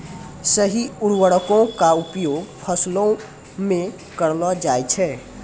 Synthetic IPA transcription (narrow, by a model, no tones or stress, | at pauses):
səɦiuɽwəɽəkõkaupjoɡpʰəslõ | mẽ | kəɾlɔd͡ʒajt͡ʃʰɛ